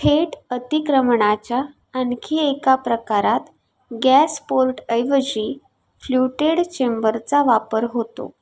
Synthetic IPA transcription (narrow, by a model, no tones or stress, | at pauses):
ʈʰeʈət̪ikɾəmɳat͡ɕjaː | nkʰiekapɾəkaɾat̪ | ɡæspoɾʈəjʋəd͡ʑi | fluʈeɽt͡ɕembəɾt͡saʋapəɾɦot̪o̰